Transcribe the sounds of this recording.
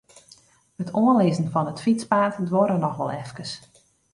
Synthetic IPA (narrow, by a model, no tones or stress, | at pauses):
ətʰoənlɪzən̩fɔnətfit͡spaːtdʋoɾənɔxʋɔlˠɛfkəs